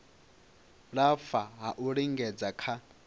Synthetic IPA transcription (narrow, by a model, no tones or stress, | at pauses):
ɺafaɦaʔuɺiŋɡɛd͡zakʰa